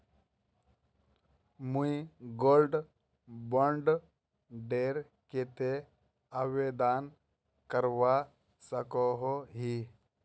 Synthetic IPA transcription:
muiɡoːlɖ | bɔɳɖ | ɖeːɾ | ket̪e | awed̪aːn | kəɾwa | səkɔɦoɦi

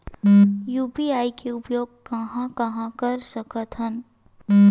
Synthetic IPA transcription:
juːpiaːikeʊpjoːɡ̚kɐɦãkɐɦãkəɾsəkət̪ɦən

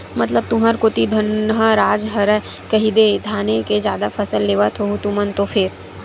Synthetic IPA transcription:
mɐt̪ləb̚t̪ʊɦəɾkot̪id̪ʱənɦəɾaːd͡ʒɦɐɾɛ | kɐɦid̪ed̪ʱaːneked͡ʒjaːd̪afʰɐsəlːeːʋat̪ʰoɦut̪umənt̪ofʰɪɾ

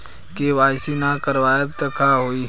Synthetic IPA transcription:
keʋaːɪsinakəɾʋaːjət̪əkʰaɦoːi

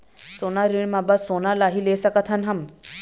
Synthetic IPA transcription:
sonaɾiɳmabasonalaɦilesɐkat̪ʰɐnɦɐm

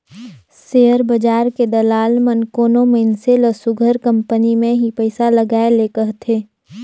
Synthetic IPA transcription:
seːəɾbɐd͡ʒaːɾked̪ɐlaːlmənkoːnomeɪnseləsʊɡʱəɾkɐ̃mpənimẽɦipəɪsalɐɡaːeleːkəɦt̪ʰeː

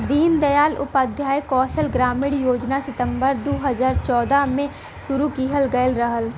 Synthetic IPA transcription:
d̪iːnd̪əjaːlʊ̰pəd̪ʱjaːjkɔːʃəlɡɾaːmɪɽjoːd͡ʒnasɪt̪ə̃mbəɾd̪oːɦəzaːɾt͡ʃɔːd̪amẽ | sʊɾukiːɦəlɡəjəlɾəɦəl

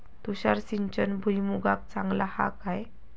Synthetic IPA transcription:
t̪uɕaɾsiɲt͡ɕənbʱujmuɡak̚t͡sãŋɡlaha̰kaj

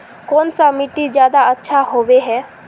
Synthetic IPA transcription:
kɔːnsamɪʈːid͡ʒjaːd̪aɐtːʃʰaɦoːʋeɦɛː

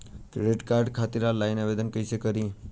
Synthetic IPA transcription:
t̪ɾleʈkaɾɖkʰat̪iɾalainaʋed̪ənkəiʃekəɾi

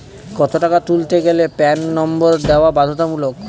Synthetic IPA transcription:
kɔt̪oʈakat̪ult̪eɡelepɛnːɔmboɾd̪eoabad̪ʱot̪amulok

